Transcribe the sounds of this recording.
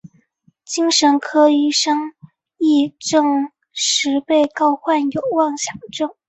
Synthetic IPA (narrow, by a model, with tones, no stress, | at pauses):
t͡ɕi˥ŋʂə˧˥nkʰɤ˥i˥˩ʂɤ˥ŋ | i˥˧ʈ͡ʂɤ˥˧ŋ | ʂɻ̩˧˥pe˥˩ɪkɑ˥ʊxwa˥˩njo˨˩ʊwɑ˥˩ŋɕjɑ˨˩ŋʈ͡ʂɤ˥˩ŋ